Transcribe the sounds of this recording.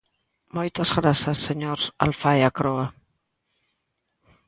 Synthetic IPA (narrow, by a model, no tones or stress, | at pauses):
mojt̪azɣɾasasːeɲoɾa̰lfajakɾoa